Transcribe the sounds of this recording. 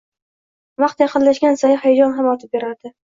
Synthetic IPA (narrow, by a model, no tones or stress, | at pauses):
vɑqt̪jɑqʰɨnlaʃɡʲansajɪhajad͡ʒɒnɦamɒt̪ʰɪp̚be̞ɾaɾd̪ɪ